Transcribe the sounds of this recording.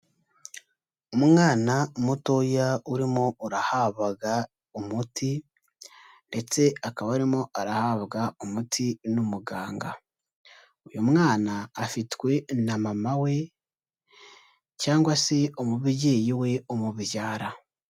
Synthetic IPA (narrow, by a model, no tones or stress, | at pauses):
umŋaːnamuto̞jauɾimo̞uɾahaβaɡa | umuti | nde̞t͡se̞akaβauɾimo̞aɾahaβɡaumutʰinumuɡaːŋɡa̰ | ujumŋaːnaːfitwe̞namamawe̞ | caːŋɡwaseomuβiɟe̞ːjiwe̞omuβijaːɾa